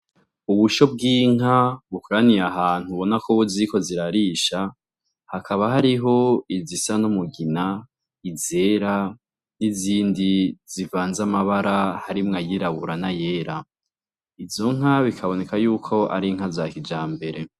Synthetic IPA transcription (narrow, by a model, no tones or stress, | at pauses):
uβuʃo̞b̚ɡiːŋ̥ɦaβukuɾaniɾaɦaːn̥huβo̞nakʰoβuziiko̞ziɾaɾiːʃa | hakʰaβaɦaɾiɦo̞izisanomuɡina | ize̞ɾa | niziːndiz̥ivaːnzamaβaɾahaɾimŋajiɾaβuɾanaje̞ːɾa | ivzo̞ŋ̥ɦaβikʰaβo̞ne̞kajuːkʰo̞ʔa̰ɾiŋ̥azaːkid͡ʒaːmbe̞ɾe̞